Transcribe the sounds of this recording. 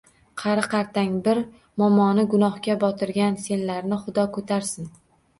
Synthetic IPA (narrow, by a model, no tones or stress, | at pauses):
qʰɑɾɪqʰɑɾt̪ʰaŋbɪɾ | mɒmɒnɪɡʊnɒhkʲabɒt̪ʰɪɾɡʲanse̞nlaɾnɪχʊd̪ɒkʰot̪ʰaɾsɪn